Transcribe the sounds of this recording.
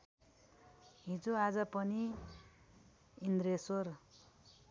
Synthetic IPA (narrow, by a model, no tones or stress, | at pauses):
ɦid͡zoad͡zʌpʌni | ind̪ɾesor